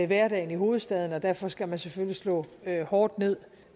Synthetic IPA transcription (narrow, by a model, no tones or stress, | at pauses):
ʋæɐɾ̥ɛ̰ɪn̩iɦo̝ːð̩ˠsd̥ɛð̞ˠn̩ɒ̽d̥æɐfɒ̽sɡ̥æmænsefølislɔ̰̽ːøhɒːd̥ne̝ð̞̰ˠ